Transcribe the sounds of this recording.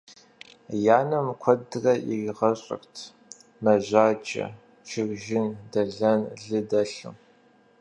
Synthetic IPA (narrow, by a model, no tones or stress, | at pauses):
jaːnɐmkʷʰɔdɨrɐʔɪʁɐɕʼɪ̰rtʰ | mɐʑʷaːd͡ʒʼɐ̰ | t͡ʃʰɪɣʒɪndɐɮɐnɮɨdɐɬɨ̰m